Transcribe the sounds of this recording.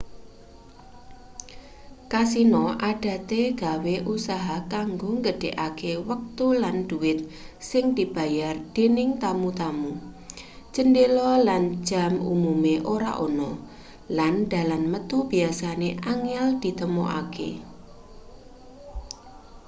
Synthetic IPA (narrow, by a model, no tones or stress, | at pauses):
kas̬inɔʔaɖ̥ä̤t̪eɡ̥a̤weʔusaɦakaŋɡoŋɡəɖ̥eʔakewək̚t̪ulanɖ̥uɪt̪̚sɪŋd̪̥i̤b̥a̤jard̥enɪŋt̪amut̪amu | t͡ʃəndelɔland͡ʒ̥a̤mṵmumeʔoɾa̰ʔonɔ | land̪̥a̤lanmət̪ub̥iasaneʔaŋɪld̪̥i̤t̪əmoʔa̰kḛ